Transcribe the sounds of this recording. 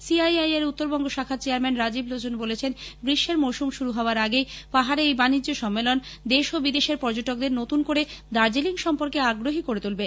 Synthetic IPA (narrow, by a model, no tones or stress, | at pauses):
siajajeɾut̪ːoɾbɔŋɡoʃakʰat͡ɕeaɾmɛnɾad͡ʑiblod͡ʑonbolet͡ɕʰenɡɾiʃːeɾmowʃumʃuɾuɦɔoaɾaɡejpaɦaɾeejbanid͡ʑːoʃɔmːelond̪eʃobid̪eʃeɾpɔɾd͡ʑoʈok̚d̪eɾnot̪unkoɾed̪aɾd͡ʑeliŋʃɔmpoɾkeaɡɾoɦikoɾet̪ulbe